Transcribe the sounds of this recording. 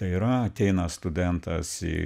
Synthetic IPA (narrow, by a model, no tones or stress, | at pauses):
t̪ɐɪiɾɐɐt̪ʲɛɪnɐst̪ʊd̪ʲɛnt̪ʰɐ̰sɪ̰